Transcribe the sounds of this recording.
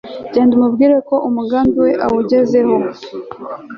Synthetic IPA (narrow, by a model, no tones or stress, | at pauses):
ɟeːndumubɡiːɾeko̞ʔumuɡaːnduwe̞ʔawuɟe̞ze̞ho̞